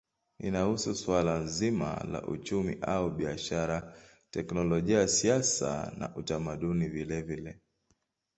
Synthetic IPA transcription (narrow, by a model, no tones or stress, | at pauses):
ḭnahususwalanzima̰la̰ʔṵt͡ʃumḭʔauɓiaʃaɾa | tɛknɔlɔʄiajasiasa̰na̰ʔutamaɗunivilɛvilɛ